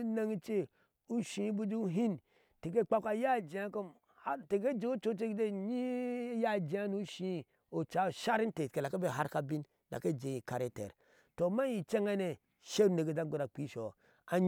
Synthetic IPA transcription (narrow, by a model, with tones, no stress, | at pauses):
na˦ŋi˦t͡ʃe˦ | u˦ʃĩ˨˦bu˦d͡ʒi˦u˦ɦi˦n | te˨k̬e˦˨k͡pa˦ka˨˦ja˦˨d͡ʒi˨a˦ko˦m | a˦te˨ke˦d͡ʒe˦o˦t͡ʃo˦t͡ʃe˦kde˦ɲi˦ja˦˨d͡ʒi˨˦a˦nu˦ʃĩ˦ | o˨t͡ʃa˨˦˨ʃa˦ɾi˦n˦te˨ke˨la˨ke˦be˦˨ɦa˦ɾka˦bi˦n | la̰˨ke˦d͡ʒe˨i˨ka˨ɾe˦tḛ˨ɾ | to˨ma˦ji˨t͡ʃe˦ŋa˦ne˨ | ʃe˦ɾu˦ne˨ɡe˨d͡ʒa˦ɡo˦ɾa˨k͡pi˦ʃo˨ | a˨ɲ